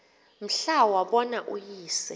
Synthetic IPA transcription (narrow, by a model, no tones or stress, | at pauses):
m̩ɬawwaɓɔnaʔujiːsɛ